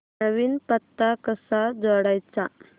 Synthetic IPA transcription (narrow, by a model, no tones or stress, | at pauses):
əʋiːnpət̪ːakəsad͡zɔɽajt͡sa